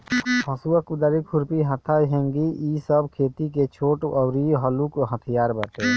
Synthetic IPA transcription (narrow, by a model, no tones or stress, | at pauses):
hɐsuəkʊd̪əɾikʰʊɾpiɦət̪ʰːaɦẽŋɡiisəbkʰeːt̪iket͡ʃʰoːʈɔːɾiɦəlukɦət̪ʰijaːɾbəʈeː